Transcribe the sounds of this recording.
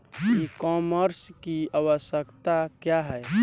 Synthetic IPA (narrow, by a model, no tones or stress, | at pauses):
kikɔməɾskiaʋəsjəkt̪akjaɦɛ